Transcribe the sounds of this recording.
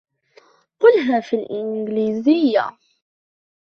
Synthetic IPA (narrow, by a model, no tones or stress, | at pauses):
qʊlɦæfilʔɪnɡlizɪjːa̰